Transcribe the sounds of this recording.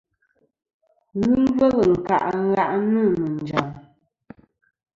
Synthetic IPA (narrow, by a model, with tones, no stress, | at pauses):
ɣʉ˦bə˦ɣə˨ŋ̩˨ka̰˨ʔɣa˦ʔnə˦˨mə˨n̩˨d͡ʒa˨ŋ